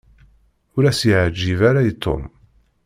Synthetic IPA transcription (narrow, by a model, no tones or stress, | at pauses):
ʊɾæsjəʕd͡ʒːivæɾajt̪ʰˤːo̰m